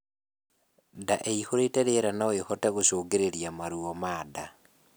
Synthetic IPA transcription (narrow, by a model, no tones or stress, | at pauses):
daʔeixoɾeteɾeɾanawexotaɣoʃoːɡeɾeɾjamaɾuomaːda